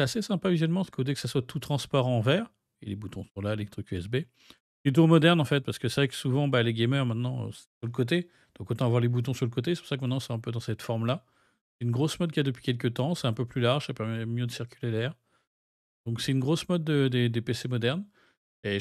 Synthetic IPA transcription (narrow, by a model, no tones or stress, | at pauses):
sɛasesɛ̃pavizɛlmɑ̃se̥kʰod̪ekə̥saswat̪ʰut̪χɑ̃spɔʁɑ̃vɛːʁ | elebut̪ɔ̃sɔ̃lalet̪χykyɛsbe | it̪̬umɔd̪ɛʁnɑ̃fɛt̪̚paʁsə̥kəsɛvʁɛkə̥suvɑ̃baleɡʲɛmœʁmɛ̃t̪nɑ̰̃ssyʁləkot̪̬e | d̪̥ɔ̃kot̪ɑ̃avwaʁlebut̪̬ɔ̃syʁləkot̪esɛpu̥ʁsak̬mɛ̃t̪nɑ̃sɔ̃ɛ̃pød̪ɑ̃sɛt̪fɔʁmla | sɛynɡʁosmɔd̪̚kʲiad̪əpɥi̥kʲɛlk̬ət̪ɑ̃sɛt̪ɛ̃pøplylaʁʒsapɛʁmɛmjød̪əsiʁkʲylelɛːʁ | d̪̥ɔ̃ksɛt̪ynɡʁosmɔd̪ːəd̪ed̪epesemɔd̪ɛʁn | e